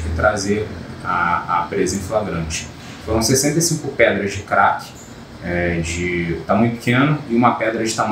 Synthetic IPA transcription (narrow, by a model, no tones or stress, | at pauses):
kɪt̪ɾazeɾaɐpɾezɐĩflaɡɾɐ̃t͡ʃɪ̥ | foɾɐ̃w̃sesẽnt̪esĩŋkʊpɛd̪ɾɐzd͡ʒɪkɾakɪ̥ | ɛd͡ʒɪt̪amũj̃t̪ʊpɪ̥kẽnɐɪũmɐpɛd̪ɾɐd͡ʒɪt̪am